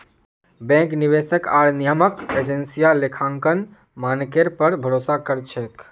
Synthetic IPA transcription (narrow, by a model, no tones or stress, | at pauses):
bɛ̃ŋkniβesəkaɾnijəməked͡ʒensijalekʰãŋkən | mankeɾpəɾbʱəɾosakəɾt͡ʃʰɛk